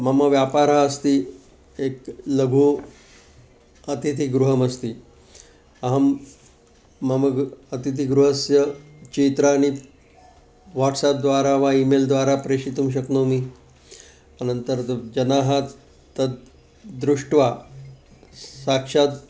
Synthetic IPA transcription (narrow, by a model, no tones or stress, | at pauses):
məməʋjapaɾaəst̪i | ekləɡʱuː | ət̪it̪iɡɾuɦəməst̪iː | əɦəm | əməɡət̪it̪̬iɡɾuɦəsjə | t͡ɕit̪ɾaːñi | ʋaʈsap̚d̪ʋaɾaʋaimeld̪ʋaɾapɾeɕit̪ũːɕ̬əknomi | anənt̪əɾd͡ʑənaɦa | t̪ət̪̚ | d̪ɾuʂʈʋa | sakʂat̪